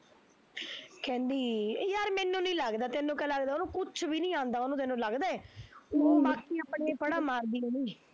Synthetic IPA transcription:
kɛ̃ːnd̪iːjaːɾmɛːnːũːnĩːləɡd̪aːt̪enũːkɛ̃ːləɡd̪aːonũːkʊt͡ʃʰʋiːnĩːãːnd̪aːonũt̪enũːləɡd̪aːɛːoːbaːkiːaːpɽeːbəɽaːmaːɾd̪iːeːniː

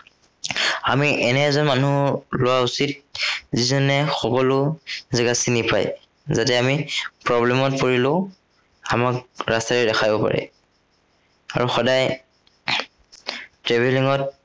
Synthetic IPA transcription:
amiʔɛnɛzɔnmanulʊwausit̚zizɔnɛxɔkɔlʊzɛɡasinipa̰j | zatɛamipɹɔblɛmɔt̚poɹilʊ̃ | amakɹastaɹɛdɛxʰajbɔpa̰ɹɛ̰ | aɹuxɔdaj | tɹɛbɛliŋɔt̚

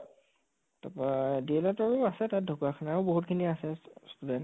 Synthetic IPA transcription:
tapɹadiɛlatɔɹʊasɛtat̚dʱokakʰɔnaɹʊboɦutkʰiniasɛstudɛn

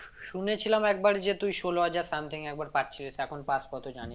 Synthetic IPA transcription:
ʃunet͡ɕʰilamɛk̚baɾd͡ʑet̪ujʃoloɦad͡ʑaɾsamt̪ʰiŋɛk̚baɾpatːt͡ɕʰiloʃeɛkʰonpaskɔt̪ʰod͡ʑani

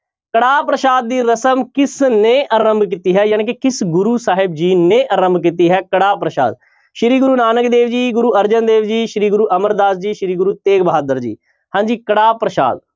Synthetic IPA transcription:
kəɽaːpɾəʃaːd̪̚ːiːɾəsəmkɪsneːʔəɾəmbkiːt̪iːɦɛːjaːnẽːkekɪsɡʊɾuːsaːɦɪb̚d͡ʒiːneːʔəɾəmbkit̪̬iːɦɛːkəɽaːpɾəʃa̰ːd̪̚ | ʃɪɾiːɡʊɾuːnaːnəkd̪eːʋd͡ʒiːɡʊɾuːəɾd͡ʒənd̪eːʋd͡ʒiːʃɾiːɡʊɾuːʔəməɾd̪aːsd͡ʒiːʃɪɾiːɡɾuːt̪eːkbəɦaːd̪əɾd͡ʒḭː | hãːɲd͡ʒiːkəɽaːpɾəʃa̰ːd̪̚

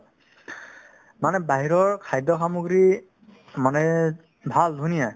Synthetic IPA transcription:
manɛbaɦiɹɔɹkʰajdɔxamoɡɹi | manɛ | bʱaldʱunija

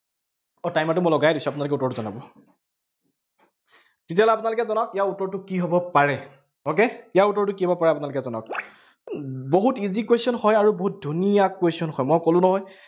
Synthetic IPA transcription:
ɔtajmatʊmɔjlɔɡajdisuapʊnalʊk̬ɛutːɔɹtʊzɔnabɔ | tet̬iaɔlɛapʊnalʊkɛzɔnɔkijautːɔɹtʊkiɦɔbɔpaɹɛ | ok̬eijaɹutːɔɹtʊkiɦɔbɔpaɹɛap̬ʊnalʊkɛzɔnɔ̰k̚ | boɦutizikwesɔnhɔjaɹuboɦut̚dʱunijakwesiɔnxɔjmɔjkolʊ̃nɔɦɔj

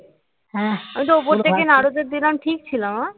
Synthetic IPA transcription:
ɦɛ̃amit̪̬oop̬oɾt̪ʰekenaɽod̪eɾd̪ilamʈʰik̚t͡ɕʰilama

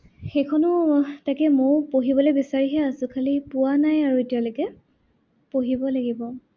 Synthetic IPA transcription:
xejkʰɔnʊtajkɛmoɹpoɦibɔlojbisaɹiɦɛasʊ̃kʰalipʊwanajaɹuetialojkɛ | poɦibɔlaɡibɔ

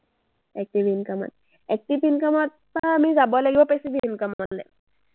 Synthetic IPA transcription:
ɛk̚ʈiʋinkəma̰t̪̚ | ɛk̚ʈifinkəmət̪̚ːamid͡zabəlekiʋapesifinkəməlḛ

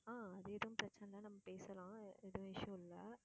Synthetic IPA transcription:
aːɐðɯeːðɐʊ̃mpɾɐt͡ʃːɐnɐlaːnɐmːɐpeːsɐlãːeðɐʋ̃ɪʂjɐ̃ɪlːɐ

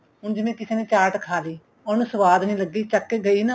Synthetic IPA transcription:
ɦʊɳd͡ʒɪmẽːkɪseːnẽːt͡ʃaːɾʈkʰaːliː | ɔːnũːsəʋaːd̪nĩːləɡːiːt͡ʃəkːeːɡəiːna

